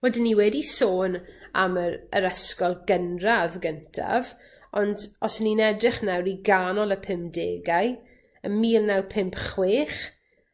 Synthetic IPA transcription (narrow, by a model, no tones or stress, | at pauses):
wɛdɪnːiwɛdisoːna̰məɾəɾəskɔlˠɡənravɡəntʰa̰v | ɔndɔsninɛdrɪχnawɾiɡanɔlˠəpʰɪmpdeːɡaj | əmiːlˠnawpʰɪmpχweːχ